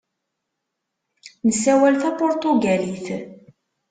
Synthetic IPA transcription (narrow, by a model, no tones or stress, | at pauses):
nəsːæwælθæpʊɾt̪uɡæliθ